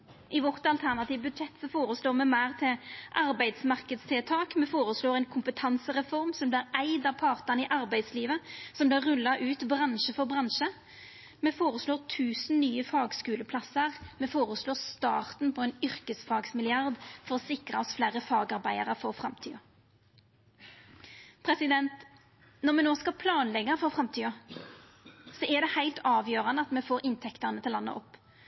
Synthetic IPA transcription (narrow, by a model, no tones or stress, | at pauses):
ʔɪʋɔʁt̪ɑlt̪ʰæʁnɑt̪iːʋbʉd̪ʃɛt̪ːsɔfoːɾəsloːʁmɛmæːʁt̪ʰɪʔɑɾbæɪd̪smɑʁkəd̪st̪ʰɪlt̪ʰɑːkmɛfoːɾəsloːʁɛɪnkʰʊmpət̪ʰɑnsəʁɛfɔʁmsɔmb̪lɪɾæɪd̪ɑʋpʰɑʁt̪ənɪʔɑɾbæɪd̪sliːʋəsɔmblɪʁʉlːɑʔʉːt̪bʁɑnʃəfɔʁbʁɑnʃə | mɛfoːʁəsloːʁt̪ʰʉːsn̩nyːəfɑːɡskʉːləpʰlɑsəʁmɛːfoːʁəsloːʁst̪ɑ̰ːʁt̪npʰɔɛːnʏɾkəsfɑːɡsmɪlɪɑʁd̪fɔʁɔsɪkɾʁɑɔsflæːɾəfɑːɡɑʁbæɪəʁəfɔɾfʁɑmt̪ʰy̰ːɑ | pʰʁɛsɪd̪ɛnt̪ | nɔʁmɛnoːskɑpʰlɑːnlɛɡːəfɔʁfɾɑmt̪ʰyːɑ | sɔɛʁd̪ɛhæɪlt̪ɑːʋjøːʁɑnəɑt̪mɛfoːɾɪnt̪ʰɛkt̪əʁnət̪ʰɪlɑnːə̰ʔɔpː